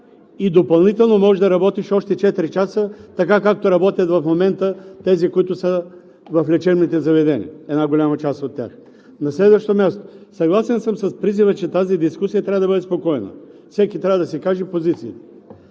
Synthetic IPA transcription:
id̪opɐlˠnit̪ɛlˠnomɔʒɛd̪ɐɾɐbɔt̪iʃɔʃt̪ɛt͡ʃɛt̪ɾit͡ʃasət̪ɐkakak̚t̪oɾɐbɔt̪ʲjət̪vɐfmomɛnt̪ət̪ɛzikoit̪ʊsə | vɐflɛt͡ʃɛɾnit̪ɛzɐvɛd̪ɛnḭɛd̪naɡolʲamɐt͡ʃast̪ot̪ʲːja̰x | nɐslɛd̪vəʃt̪omʲjast̪o̥sɐɡlˠasɛnsəmsɐspɾizivət͡ʃɛt̪azid̪iskusijɐt̪ɾʲavəd̪ɐbəd̪ɛspokɔɛnə̰fsɛkit̪ɾavəd̪ɐsɛkaʒɛpozit̪siit̪ɛ̥

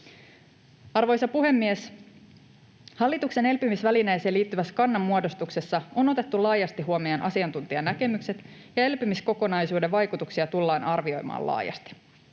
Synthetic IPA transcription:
ɑrʋo̞jsɑpuɦe̞mːies | hɑlːit̪ukse̞ne̞lpymisʋælinejse̞ːliːt̪ːyʋæskɑnːɑmːuodo̞st̪ukse̞sːɑo̞no̞t̪e̞t̪ːulɑːjɑst̪iɦuomiɑnʔɑ̰siɑnt̪unt̪iɑnæke̞mykse̞t̪ | jɑe̞lpymisko̞ko̞nɑjsuːdeʋʋɑjkut̪uksiɑt̪ulːɑːnɑrʋio̞̰jmɑ̰ːlɑ̰ːjɑ̰st̪i̥

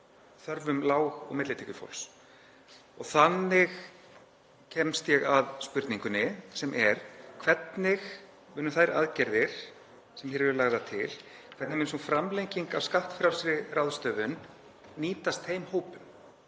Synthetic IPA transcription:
θœɾvʏmlaːwɣɔ̰ɣmɪt̪lɪt̪ʰɪcʏfo̰wls | ɔɣθanːɪɣ | cʰɛmst̪jɛɣaðspʏɾt̪niŋkʏnɪsɛmʔɛɾ̥kʰvɛt̪nɪx | mʏːnʏθajɾa̰ðcɛɾðɪɾ̥ | sɛmhɛːɾɛɾʏlaɣðat̪ʰɪlkʰvɛt̪nɪmɪnsunfɾamlejɲciŋkavskaht̪fɾjawlsɾɪrawðst̪œːvʏnː | iːt̪ast̪hejmhoːwpʏm

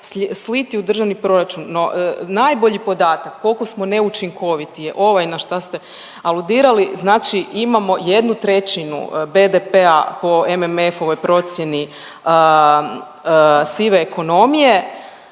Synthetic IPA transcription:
sslit̪iud̪r̩ʒaʋnipɾo̞ɾat͡ʃunːo̞najbo̞ʎipo̞d̪aːt̪akːo̞lˠko̞smo̞ne̞ut͡ʃiŋkʰo̞ʋit̪ije̞ʔo̞ʋajnaʃt̪ast̪e | alˠud̪iːɾaliznaːt͡ʃiimamo̞je̞d̪nut̪ɾe̞t͡ɕinṵbe̞d̪epea̰po̞ememefo̞ʋo̞jpɾo̞t̪sje̞ni | ə | siʋeːko̞no̞mije̞

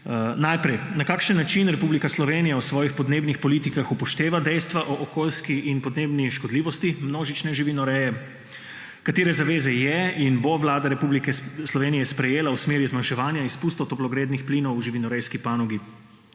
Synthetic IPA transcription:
najpɾɛjnakaːkʃənːat͡ʃinɾɛpublikaslɔʋenijawsʋɔːjixpɔd̪neːbnixpɔlit̪ikaxupɔʃt̪eːʋad̪ɛjst̪ʋaʔɔʔːkoːlskiʔinpɔd̪neːbniʃkɔd̪liːʋɔst̪imnoːʒit͡ʃnɛʒiʋinɔɾɛjɛ | kat̪eːɾɛzaʋeːzɛjɛinboʋlaːd̪aɾɛpublikɛslɔʋeːnijɛspɾɛjeːlawsmeːɾizmanʃɛʋaːnjaispust̪ɔt̪ɔplɔɡɾeːd̪nixpliːnɔwʒiʋinɔɾɛjskipanɔɡi

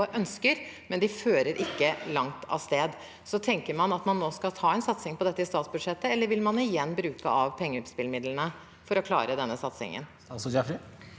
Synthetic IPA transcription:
ʔœnskəɾmɛnd̪ɪføːɾəɾʔɪkːəlɑŋt̪ʰɑ̰st̪eːd̪ | sɔt̪ʰɛŋkəɾmɑnɑt̪mɑnːoːskɑt̪ʰɑːɛnsɑt̪sɪŋpɔd̪ɛt̪ːəɪst̪ɑːt̪sbʉd̪ʂɛt̪ːəɛlːəɾʋɪlmɑnɪjɛnːbɾʉːkəʔɑʋpʰɛŋːəʉt̪spɪlmɪd̪lənə | fɔɾɔkʰlɑ̰ːɾəd̪ɛnːəsɑt̪sɪ̰ŋə̰n | sd͡ʒɑfɾ

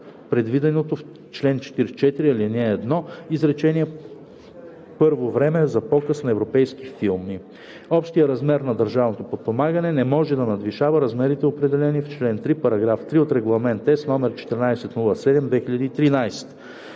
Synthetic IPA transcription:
pɾɛd̪vid̪ɛnot̪of | t͡ʃlɛnt͡ʃɛ̥t̪iɾt͡ʃɛt̪iɾialinɛːd̪nɔizɾɛt͡ʃɛniɛ | pɤɾvovɾɛmɛzɐpɔkəsnɐɛvɾopɛjski̥filˠmi | ɔpʃt̪ijəɾɐzmɛɾnɐd̪əɾʒavnot̪opot̪̚pomaɡənɛnɛmɔʒɛd̪ɐnɐd̪viʃavəɾɐzmɛɾit̪ɛopɾɛd̪ɛlɛnift͡ʃlɛnt̪ɾipɐɾɐɡɾaft̪ɾiot̪ɾɛɡlˠɐmɛnt̪ɛsnɔmɛɾt͡ʃɛ̥t̪ɛɾnajsɛt̪nulˠɐsɛd̪ɛmd̪vɛxiʎʲɐd̪iːt̪ɾinajsɛ̥t̪

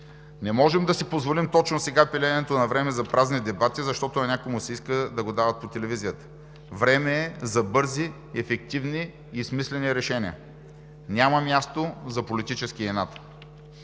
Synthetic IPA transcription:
nɛmɔʒɛmd̪ɐsipozvolimt̪ɔt͡ʃnosɛɡapɛlʲɛnɛt̪onɐvɾɛmɛzɐpɾaznid̪ɛbat̪izɐʃt̪ɔt̪ʊnɐnʲakomʊsɛiskəd̪ɐɡod̪avɐt̪̚pot̪ɛlɛvizijət̪ə̥ | vɾɛmɛːzɐbɤɾzi | ɛfɛk̚t̪ivniː | smislɛniɾɛʃɛnʲiə̰ | nʲamɐmʲjast̪ozɐpolit̪it͡ʃɛskiɛnat̪

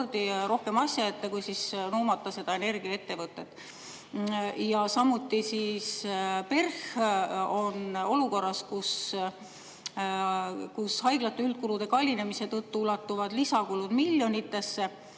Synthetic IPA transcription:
rd̪iɾo̞hke̞mɑsʲjɑet̪ːekujsisnuːmɑt̪ːɑse̞d̪̥ɑene̞rɡ̥iɑe̞t̪ːe̞vɤt̪ːˑet̪ːˑ | jɑsɑmut̪ːisispe̞rx | o̞no̞luko̞rːɑskus | kushɑjɡ̥lɑt̪ːˑeylt̪̚kulud̪e̞kɑlʲine̞mise̞t̪ɤt̪ːuulɑt̪ːˑuvɑd̪lisɑkulud̪milʲːjo̞nit̪ːe̞sːe̞

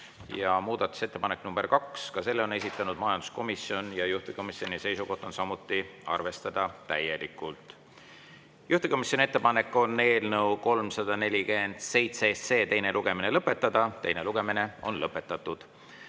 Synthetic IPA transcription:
jɑmuːd̪̥ɑt̪ːˑu̥se̞t̪ːe̞pɑnekːnumb̥erkɑkskɑse̞lːeo̞ne̞s̬it̪ˑːɑnud̪̥̚mɑjɑnd̪u̥sko̞misio̞njɑjuht̪eko̞misio̞nise̞jsuko̞ht̪o̞nsɑmut̪ːˑiɑ̰rve̞st̪ɑd̪̥ɑt̪æje̞likːˑult̪ˑ | juht̪eko̞misʲjo̞nʲie̞t̪ːˑepɑne̞kːˑo̞nːe̞ːlnəwko̞lmsɑd̪̥ɑne̞lʲikend̪̥se̞jt̪sese̞ːt̪e̞jne̞lʔuɡ̥e̞mine̞lɤpːˑe̞t̪ːˑɑd̪̥ɑt̪e̞jne̞luɡ̥e̞mine̞o̞̰nlɤpːˑe̞t̪ːˑɑt̪ːud̪̥

